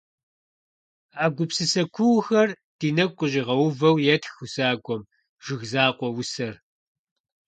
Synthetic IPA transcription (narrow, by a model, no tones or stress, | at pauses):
aːɡʷʊpsɨsɐkʷʰʊwxɐr | d̥iːnɐk̚ʷqʷʼʊʑɪʁɐwʊvɐwjɛtxʊsaːɡʷʼɔm | ʒ̥ɪɣzaːqʷɔwʊsɐr